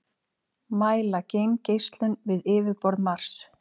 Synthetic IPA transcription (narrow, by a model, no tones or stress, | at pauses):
maːjlacejmcejst̪lʏnvɪðɪːvɪpɔɾðmaɾ̥s